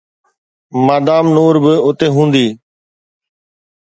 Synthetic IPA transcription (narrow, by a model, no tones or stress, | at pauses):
maːd̪aːmnoːɾbɪʊt̪eːɦũːnd̪iː